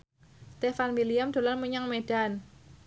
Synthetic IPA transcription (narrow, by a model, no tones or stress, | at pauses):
st̪efanwiliamd̪̥o̤lanmuɲaŋmeɖ̥an